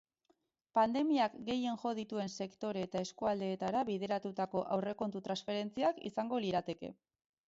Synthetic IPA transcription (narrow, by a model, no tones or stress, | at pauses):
pand̪e̞miakɡe̞je̞ŋʝo̞ð̞it̪ue̞nse̞kt̪o̞ɾeːt̪aeskuald̪e̞ːt̪aɾaβiðe̞ɾat̪ut̪ako̞ʔawre̞ko̞nt̪ut̪ɾansfe̞ɾe̞nt͡siakḭsaŋɡo̞liɾat̪e̞ke̞̰